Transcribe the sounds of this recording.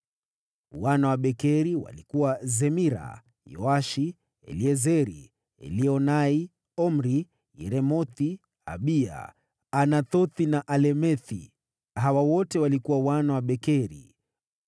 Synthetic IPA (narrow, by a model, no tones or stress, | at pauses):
wanawaɓɛkɛɾiwa̰likuwazɛmiɾa̰ | jɔ̰aʃi | ɛ̰liɛzɛɾi | ɛ̰liɔnai | ɔm̩ɾi | ɾɛmɔθi | a̰ɓia̰ | anatɔθinaʔalɛmɛθḭ | ɦawawɔtɛwalikuwawanawaɓɛkɛɾḭ